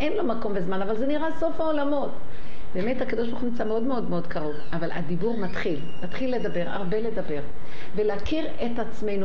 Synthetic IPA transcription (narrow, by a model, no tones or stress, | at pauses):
ʔenlo̞mako̞mbe̞zmanavalzeniʁaso̞faolamo̞t | be̞ːme̞thakad̪oʃbaʁχumimt͡sameo̞dmeo̞d̪meo̞dkaʁo̞vavala̰d̪ibuʁmat̪χil | mat̪χilːe̞d̪abe̞ʁa̰ʁbe̞le̞dabe̞ʁ | ve̞leakiʁetat͡sme̞jnu